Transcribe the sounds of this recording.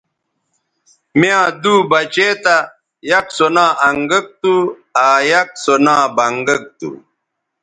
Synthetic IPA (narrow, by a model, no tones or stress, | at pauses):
mjãːd̪uːbɐt͡ɕeːt̪a | jɐksonãːʔɐŋɡɐk̚t̪u | aːjɐk̚sonãːbɐŋɡɐk̚t̪ṵ